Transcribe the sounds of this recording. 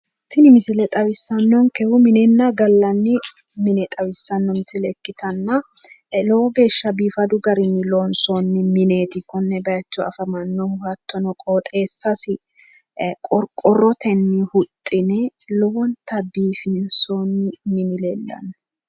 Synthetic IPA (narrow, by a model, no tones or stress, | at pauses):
t̪ɪnɪmɪsɪlɛt̪ʼɐwɪsːɐnːɔŋkɛhʊmɪnɛnːɐɡɐlːɐnːɪ | mɪnɛt̪ʼɐwɪsːɐnːɔmɪsɪlɛkːɪt̪ɐnːɐ | lɔwɔɡe̞ːʃːɐbiːfɐd̪ʊɡɐɾɪnːɪloːnsonːɪmɪneːt̪ɪkːɔnːɛbɐjɐt͡ʃːɔɐ̰fɐmɐnːɔwɐt̪ːɔnɔkʼoːt̪ʼe̞ːsːɐsɪ | kʼɔɾkʼɔrɔt̪ɛnːɪhʊt̪ʼːɪnɛlɔwɔnt̪ɐbiːfinsonːɪmɪnɪlɛlːɐ̰nː